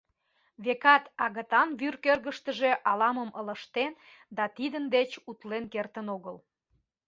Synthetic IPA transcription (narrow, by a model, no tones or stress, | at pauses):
βekɑt̪ɑɣət̪ɑnβyrkørɣəʃt̪əʒe̽ʔɑlɑməmələ̆ʃt̪en | d̪ɑt̪id̪ənd̪et͡ɕut̪lenkert̪ənoɣəl